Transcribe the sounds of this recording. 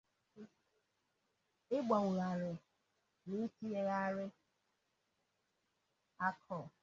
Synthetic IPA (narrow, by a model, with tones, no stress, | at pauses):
ɪ˦ɡ͡ba˨ŋʷʊ˨ɾa˨ɾɪ˨ | ni˦ti˦je˦ɣa˦ɾɪ˦ | a˦kʰɔ˦˨